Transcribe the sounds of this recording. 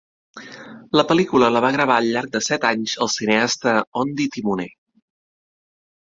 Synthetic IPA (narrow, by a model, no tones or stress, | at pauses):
ləpəlikulələβ̞aɣɾəβ̞aəʎʎaɾk̚d̪əsɛt̪aɲzəlˠsineast̪əɔnd̪it̪imune